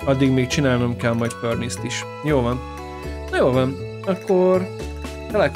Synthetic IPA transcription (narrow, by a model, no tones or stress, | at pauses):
ɒd̪ːiɡmeːk̚t͡ʃinaːlnomkɛlmɒjt̪pørnist̪iʃ | joːlvɒn | nɒjoːlvɒn | ɒkːor | t̪ɛlɛk